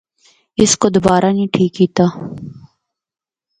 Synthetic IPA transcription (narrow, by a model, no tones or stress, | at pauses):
ɪskod̪ʊbaːɾanĩːʈʰiːkɦiːt̪aː